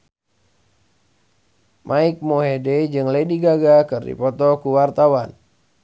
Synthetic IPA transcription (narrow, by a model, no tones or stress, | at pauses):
mʔaik̚moɦedɛd͡ʒɨŋlediɡaɡakɨrdḭpɔt̪ɔkuwart̪awan